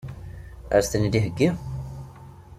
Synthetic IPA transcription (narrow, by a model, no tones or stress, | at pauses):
ə̰ɾst̪ənid̪iɦəɡːi